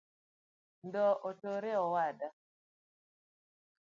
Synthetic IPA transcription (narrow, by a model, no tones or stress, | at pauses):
ndɔʔotoɾeɔwada